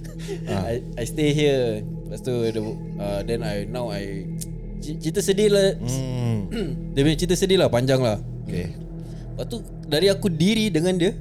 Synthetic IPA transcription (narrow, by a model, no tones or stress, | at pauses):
aj | ajst̪eɦiə | last̪udə | ədɛnajnawaj | t͡ʃit͡ʃit̪̬əsədɪla | dəpəɲat͡ʃit̪̬əsədɪlahpaɲd͡ʒaŋlah | ke | pat̪u | daɾiakudiɾidəŋãndiə